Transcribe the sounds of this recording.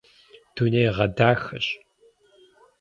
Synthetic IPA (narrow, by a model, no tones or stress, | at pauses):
d̥uneːʁɐdaːxɐɕ